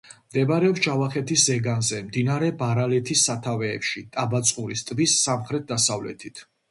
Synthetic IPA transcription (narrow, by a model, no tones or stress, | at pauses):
md̪ɛbaɾɛɔpsd͡ʒavaχɛt̪ʰiszɛɡanzɛmd̪inaɾɛbaɾalɛt̪ʰisːat̪ʰavɛːpʃit̪ʼabat̪sʼqʼuɾist̪ʼvisːamχɾɛt̪̚d̪asavlɛ̰t̪ʰit̪ʰ